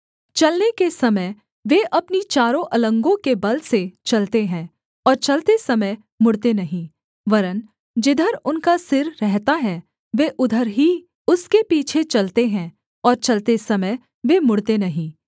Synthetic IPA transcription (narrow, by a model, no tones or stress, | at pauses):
t͡ʃɐlnekesɐməj | ʋeʔɐpnit͡ʃaːɾõʔɐlə̃ŋɡõkebɐlset͡ʃɐlt̪eɦɛ̃ː | ɔːɾt͡ʃɐlt̪esɐməj | mʊɽt̪enɐɦĩ | ʋɐɾən | d͡ʒɪd̪ʱəɾʊnkasɪɾːɛɦt̪aɦɛ | ʋeːʔʊd̪ʱəɾɦi | ʊskepiːt͡ʃʰet͡ʃɐlt̪eɦɛ̃ː | ɔːɾt͡ʃɐlt̪esɐməj | ʋemʊɽt̪enɐɦĩː